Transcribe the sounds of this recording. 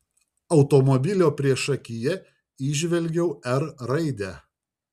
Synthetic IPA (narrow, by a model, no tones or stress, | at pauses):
ɒʊt̪ɔmɔbʲɪlʲoːpʲɾʲiɛʃɐkʲɪjɛ | iːʒʲʋʲɛlʲɡʲɛʊɛɾɾɐɪd̪ʲæ